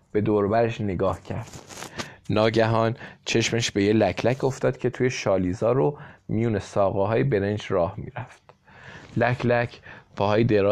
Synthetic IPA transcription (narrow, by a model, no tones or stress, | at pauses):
b̥e̞d̪oːɾbæɾeʃneɡɒːhcʰæɾd̪̥ | nɒːɟæɦɒːnt͡ʃʰe̞ʃmeʃb̥e̞jelæcʰlæcʰo̞ft̪ɒːd̪̥cʰe̞t̪ʰuːjeʃɒːliːzɒːɾomijuːnesɒːɣeɦɒːjebe̞ɾend͡ʒɾɒːhmḭːɾæft̪ | læcʰlæcʰpʰɒhɒːjed̪e̞ɾɒː